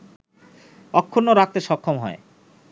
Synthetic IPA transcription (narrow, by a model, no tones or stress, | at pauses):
ɔkʰːonːoɾak̚t̪eʃɔkʰːomɦɔ̰e